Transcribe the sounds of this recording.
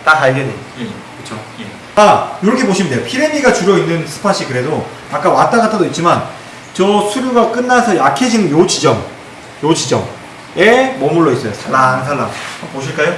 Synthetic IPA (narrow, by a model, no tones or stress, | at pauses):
takaɭɡene | kɯt͡ɕʰo | e | ajoɾʌkʰe̞poɕʰimd̪ejopʰiɾeniɡat͡ɕuɾjʌinːɯnsʰɯ̥pʰaɕ͈ʰikɯɾe̞do | ak͈awat͈aɡat͈ʰadoit̚t͡ɕ͈iman | t͡ɕʌsʰuɾjuɡak͈ɯnːasʰʌjakʰed͡ʑinɯnjod͡ʑid͡ʑʌm | jod͡ʑid͡ʑʌ̰ŋ | emʌmuɭːois͈ʌjosʰaɭːaŋs̬ʰaɭːa̰ŋapoɕ̬ʰiɭk͈ajo